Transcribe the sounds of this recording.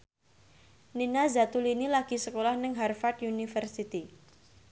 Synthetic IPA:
ninazat̪ulinilaɡ̥i̤səkolahnəŋɦarfat̪junifərsit̪i

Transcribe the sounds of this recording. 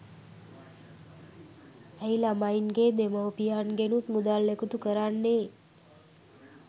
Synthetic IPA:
əilamainɡed̪emawpijanɡenũt̪mud̪alːekut̪ukəɾanːe

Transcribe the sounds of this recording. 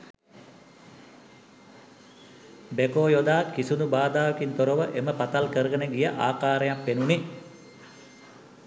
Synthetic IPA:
bekoːjod̪aːkisunubaːd̪aːʋəkint̪oɾoʋəʔeməpat̪alkəɾəɡənəɡijəʔaːkaːɾəjapʋenuni

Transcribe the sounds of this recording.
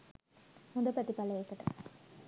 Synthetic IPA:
hund̪ɐpɐt̪ipɐlɐekːəʈɐ̰

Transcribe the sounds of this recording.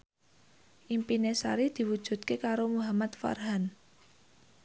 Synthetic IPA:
ʔimpinesa̰ɾid̪̥i̤wud̥ʒ̥ṳt̪̚kekaɾomuɦamat̪fa̰rɦan

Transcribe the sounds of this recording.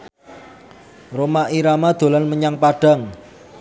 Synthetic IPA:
romaʔiɾamad̪̥o̤lanməɲaŋpaɖ̥a̤ŋ

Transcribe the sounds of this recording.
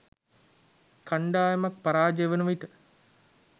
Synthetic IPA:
kʰaɳɖaːjɐmɐk̚paɾaːd͡ʒeʋənuʋiʈə

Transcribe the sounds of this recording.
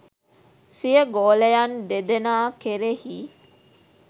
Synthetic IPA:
sijəɡoːlejand̪ed̪enaːkeɾehiː

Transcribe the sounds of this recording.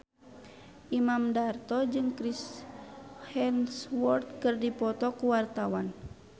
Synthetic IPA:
ʔimamdart̪ɔd͡ʒɨŋkɾis | hɛnswɔrt̪̚kɨrdipɔt̪ɔkuwart̪awan

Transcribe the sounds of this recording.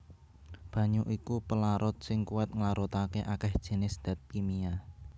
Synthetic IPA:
b̥ä̤ɲuʔikupəlaɾʊt̪̚sɪŋkuɛt̪̚ŋlaɾut̪akeʔakɛhd̥ʒ̥ə̤nɪsd̪̥a̤t̪̚kimia

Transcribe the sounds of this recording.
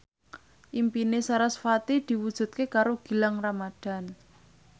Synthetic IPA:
ʔimpinesaɾasfat̪id̪̥i̤wud̥ʒ̥ṳt̪̚kekaɾoɡ̥i̤laŋramad̪̥a̤n

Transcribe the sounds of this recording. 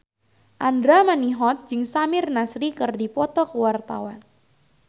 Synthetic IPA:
ʔandɾamaniɦɔt̪̚d͡ʒɨŋsamɪrnasɾikɨrdipɔt̪ɔkəwart̪a̰wan

